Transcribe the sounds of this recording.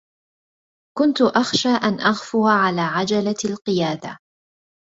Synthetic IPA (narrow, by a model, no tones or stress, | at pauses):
kʊnt̪ʊʔaxʃaːʔanʔaɣfʊɾaʕalaːʕad͡ʒalalqɨjaːd̪a̰